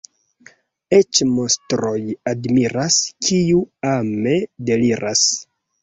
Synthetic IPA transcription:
e̞t͡ʃmo̞stɾo̞jadmiɾaskʰiuame̞de̞liɾʔas

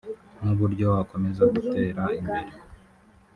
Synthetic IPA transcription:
nuβuɾɟo̞wako̞me̞zaɡute̞ːɾaimbeɾi

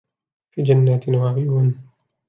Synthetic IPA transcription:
fiːd͡ʒanːaːt̪nwaʕɪan

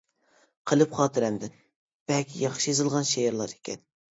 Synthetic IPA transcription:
qʰəlˠɨpχɑːt̪ʰɨɾɛmd̪ɪn | b̥ɛlkʲʰijɑχʃijezɨlˠʁɑnʃejeɾlˠɑɾe̥kʲʰɛ̰n

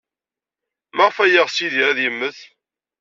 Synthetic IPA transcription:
maʁəfæjəʁsiðiɾæðjəmːəθ

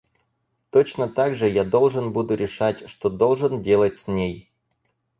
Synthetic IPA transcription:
t̪ot͡ɕnət̪aɡʐɨjad̪o̞lˠʐɨnbud̪ʊɾʲɪʂatʲʂt̪od̪o̞lˠʐɨndʲe̞lˠətʲsʲnʲej

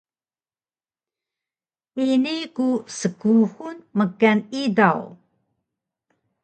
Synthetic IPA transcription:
inikusəkuxunməkːanidaw

